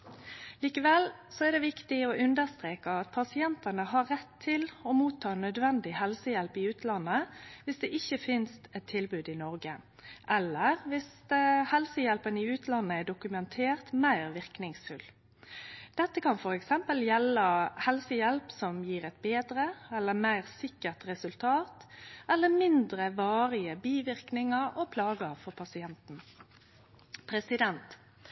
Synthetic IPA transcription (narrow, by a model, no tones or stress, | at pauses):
liːkəʋɛlsɔɛd̪ɛʋɪkt̪ɪɔʔʉnd̪əst̪ʁeːkəɑt̪̚pʰɑsɪɛnt̪ɑnəɦɑɾːɛt̪ʰːɪlɔmuːt̪ʰːɑːnœd̪ʋɛnd̪ɪhɛlsəjɛlpɪʉːt̪lɑnːəʋɪsd̪ɛːʔɪçːəfɪnst̪ɛt̪ʰːɪlbʉːd̪ɪnɔʁɡə | ʔɛlːəʁʋɪshɛlsəjɛlpənɪʉːt̪lɑnːəɛɖʊkʉmɛnt̪ʰeːʁt̪mæɪʁʋɪʁknɪŋsfʉl | d̪̥ɛt̪ːəkʰɑnfɔɾɛksɛmpəljɛləhɛlsəjɛlpsɔmjiːʁɛt̪̚beːd̪ʁəɛlːəmæɪʁsɪkːəʁt̪ʁɛsʉlt̪ʰɑːt̪ɛlːəmɪnd̪ʁəʋɑːʁɪəbiːʋɪʁknɪŋəɾɔpʰlɑːɡəfɔʁpʰɑsɪɛnt̪n̩ | pʰɾɛsɪd̪ɛnt̪